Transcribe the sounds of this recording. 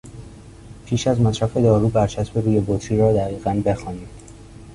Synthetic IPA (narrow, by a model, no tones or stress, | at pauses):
pʰiːʃæzmæsɾæfe̞d̪ɒːɾuːbæɾt͡ʃʰæsbeɾuːjebot̪ʰɾiːɾɒːd̪æɣiːɣænbe̞xɒːniːm